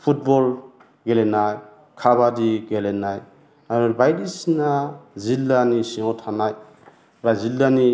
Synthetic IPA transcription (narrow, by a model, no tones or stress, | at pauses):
pʰut̚bɔl | ɡelenaj | kʰaβadiɡelenaj | aɾɔbajdisinazilːanisiŋɔtʰanaj | bazilːani